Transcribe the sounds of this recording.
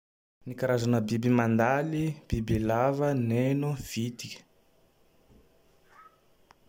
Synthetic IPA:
nikaɾazanəbibimand̪alib̥ibelavənenuv̥it̪ikʲə̥

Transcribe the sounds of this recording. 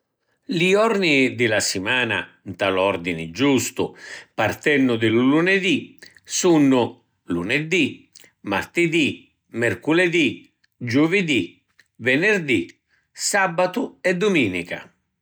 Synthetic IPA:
liɔɾnid̪ɪlasɪmaːna̰ | nt̪alɔrd̪inɪd͡ʒust̪ʊpart̪ɛnːʊd̪ɪluluned̪i | sunːʊ | luned̪i | ma̰rt̪ɪd̪i | mɛrkuled̪i | d͡ʒuvɪd̪i | vɛnɪrd̪i | sabat̪ʊɛd̪ʊmiːnika̰

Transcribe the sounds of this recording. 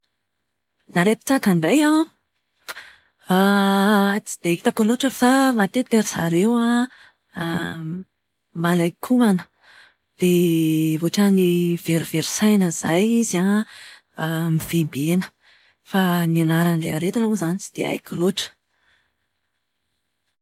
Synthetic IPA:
naɾet̪ə̥t͡sakanɖ͡ʐaja | a | t͡si̥d̪̥eki̥t̪akoloʈ͡ʂəfamat̪ep̪eɾiz̥a̰ɾewa | malajkʰumanə | d̪̥evoʈ͡ʂaniveɾiv̥eɾi̥sajnəzajiza | miv̥embenə̥ | fanianaɾanleaɾet̪inuzanit͡ʃi̥d̪̥ea̰jkʲuloʈ͡ʂə̥

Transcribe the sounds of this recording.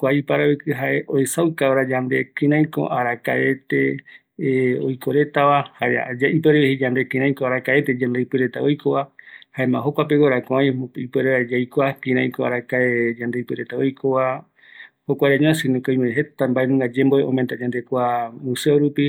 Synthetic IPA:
kʷaipaɾaikɨɦaʔeʔoesawkaoɾad͡ʒand̪e̞kĩɾãj̃ko̰ʔaɾakae̞t̪e̞ | ojkoɾe̞t̪aʋaha̰aipeɾeehid͡ʒand̪ekĩɾãj̃koaɾakae̞t̪ed͡ʒãnd̪ejpɨɾet̪aojkoβahaemã̰ɦokʷap̬ewoɾakõajipeɾeed͡ʒajkʷakĩɾãj̃koa̰ɾakaed͡ʒãnd̪ejpɨɾet̪aojkʰoβa | hokʷaaɲõasɨnĩkoĩmẽɦet̪ambaenũŋɡad͡ʒemboeõment̪ad͡ʒand̪e̞kʷamũseoɾupi

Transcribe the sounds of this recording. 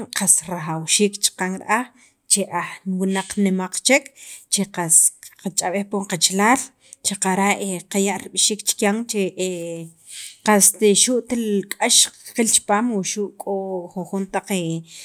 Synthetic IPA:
ŋqasɾaxawʃiːkt͡ʃqaŋɾ̰ʔaχ | t͡ʃeʔaxwinaq͡χnemaq͡χt͡ʃekʰt͡ʃeqasqat͡ʃʼaɓehpoɴqat͡ʃlaːl | t͡ʃeqaɾaʔeqajaʔɾiɓʃiːkt͡ʃkjaŋt͡ʃeʔe | qast̪eʃuʔt̪elkʼaʃqilt͡ʃpaːmwuʃuʔkʼoxuxunt̪aq͡χe

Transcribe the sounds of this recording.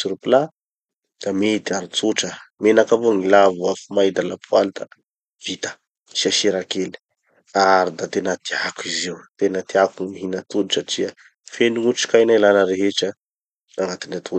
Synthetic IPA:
siɾupila | d̪̥amet̪iaɾut͡suʈ͡ʂəmenakavoŋilavuafumajd̪alapualit̪ə̥ | v̥it̪ə̥ | ʃaʃiɾakeli̥ | aɾid̪at̪enət̪ʰiakuizewt̪enət̪iakuiɦinət̪ud̪usaʈ͡ʂiə | fenuŋuʈ͡ʂi̥kajnajlanəɾeɦeʈ͡ʂə | aŋat̪inat̪ʰu

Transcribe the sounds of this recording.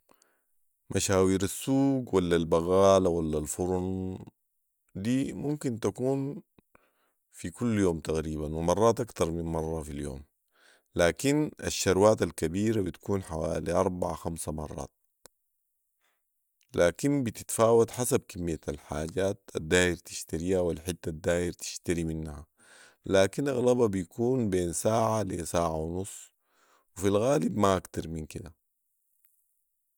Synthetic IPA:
mʔaʃaːwiːɾasːuːɡwalːalbaɣaːlawalːalfuɾun | d̪iːmumkint̪akuːn | fikulːjoːmt̪aɣɾiːbanwimɑrˤːɑːt̪ʔɑkt̪ɑɾˤminmɑrˤːɑfiljo̰ːm | laːkina̰ʃːɑɾwaːt̪alkabiːɾabit̪ḁkuːnħawaːliʔɑɾˤbaʕa̰xamsamɑ̰rˤːɑ̰ːt̪̚ | laːkinbit̪it̪faːwat̪ħasab̚kamːijːaalħaːɟaːt̪̚ad̪ːaːhiɾt̪i̥ʃt̪aɾihawilħɪt̪ːad̪ːaːʔiɾt̪i̥ʃt̪aɾiminːha | laːkinʔaɣlababijkuːnbeːnsaːʕalḛsaːʕawnusˤː | wifilɣaːlibmaʔakt̪ɑɾˤminkid̪a

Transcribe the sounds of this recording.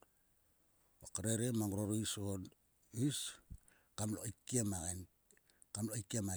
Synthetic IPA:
okaɾeɾemaŋuɾoɾoison | is | kamlo̰ikiemaɣen | kamloikiema

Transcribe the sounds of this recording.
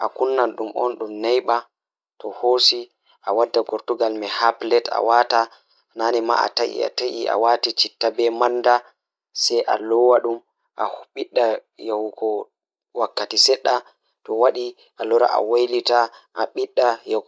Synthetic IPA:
ʔakunːanɗumʔɔ̰nɗumnajɓa | tɔhosi | ʔawadːaɡɔɾtuɡalmɛhaplɛta̰wata | nanɛma̰ʔa̰taʔḭa̰taʔḭʔa̰watit͡ʃitːabɛmanːda | sɛjʔa̰lɔwaɗum | ʔa̰huɓiɗːajawɡɔ | wakːatisɛɗːa | tɔwaɗi | ʔalɔɾa̰ʔa̰wajlitaʔaɓiɗːaja

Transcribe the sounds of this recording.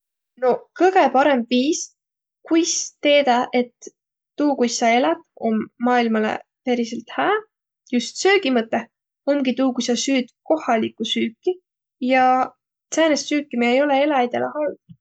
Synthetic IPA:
no̞kɤɡ̥e̞pɑɾe̞mbviːs | kujst̪e̞ːd̪̥ɑʔe̞t̪ː | uːkujsɑe̞lɑt̪o̞mːɑːilmɑlḛpeɾiselt̪hæː | just̪søːɡimɤt̪ˑːe | o̞mɡit̪uːkujsɑsyːd̪̥ko̞hɑlikˑːusyːkːˑi | jɑ | seːnest̪syːkːˑimiejo̞lee̞lɑjd̪̥e̞lʔehɑld̪̥

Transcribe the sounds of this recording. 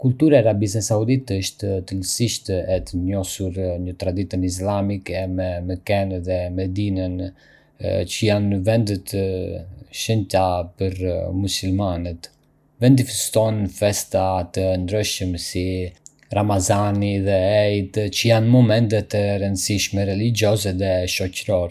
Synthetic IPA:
kult̪uɾaaɾabis̬ɛsaud̪it̪əʃt̪t̪əlsiʃt̪ɛɛt̪əɲɔsuɾɲət̪ɾad̪it̪ənis̬lamikɛmɛməkɛnðɛmɛd̪inən | t͡ʃəjanəvɛnd̪ət̪ | ʃənt̪apəɾmusulmanət̪ | vɛnd̪ifɛst̪ɔnfɛst̪at̪ənd̪ɾəʃəmsi | ramazaniðɛɛjt̪t͡ʃəjanmɔmɛnt̪ɛt̪əɾənd̪siʃmɛɾɛlid͡ʒɔzɛðɛʃɔcɾɔɾ

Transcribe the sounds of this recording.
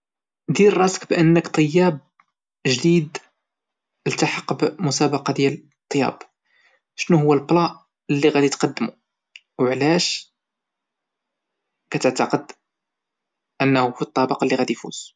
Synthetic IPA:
d̪iɾrˤɑskbʔənːəkt̪ˤəjːæb̚ | ʒd̪id̪ | lt̪aħɑqːbmʊsæbɑqɑd̪jæl | t̪ˤːjɑ̰b | ʃnuhʊwːælblɑʔ | əlːiɣæd̪it̪qɑd̪ːmu | wʕlæʃ | kæt̪əʕt̪ɑqəd̪ | ʔənːhufit̪ˤːɑbɑqlːiɣæd̪ifṵz

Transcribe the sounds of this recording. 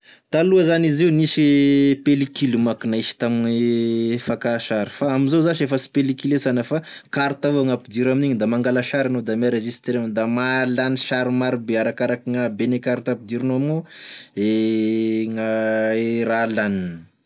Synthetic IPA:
t̪aluazanizewnisipelikilumakinaiʃi̥t̪aminifakaʃaɾi̥faaminzozaʃiefəsi̥pelikilesanəfakaɾt̪aaŋapid̪iɾaminiɲid̪amaŋɡalaʃaɾanod̪ameɾeʒist̪eɾamd̪amalaniʃaɾimaɾibeaɾakaɾakiŋabenekaɾt̪apid̪iɾinoamoe | ŋaeɾalanin

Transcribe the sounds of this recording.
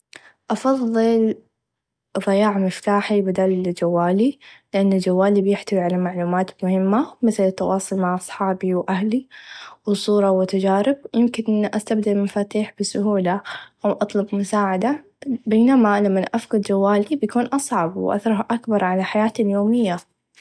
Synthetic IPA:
ʔɑfɑðˤːɨl | ðˤɪjaːʕmɪft̪aːħibɪd̪aːld͡ʒawːaːlilɪʔanːald͡ʒawːaːlibjɪħt̪awiʕalamaʕluːmaːt̪mʊhɪmːamɪθlɪt̪ːɑwʔɑːsˤʊlmaʕʔɑsˤħɑːbiwʔahliwsˤuːɾˤɑwɪt̪ad͡ʒaːɾɪb̚jɪmkɪnʔɪnʔast̪abd̪almafaːt̪iːħbɪsʊɦuːlaʔawʔɑt̪ˤlʊbmʊsaːʕad̪a | beːnamalamːanʔafqʊd̪d͡ʒawːaːlibjakuːnʔɑsˤʕɑbwʔa̰θɾˤɑhʔakbɑɾˤʕalaħajaːt̪aljoːmɪjːa

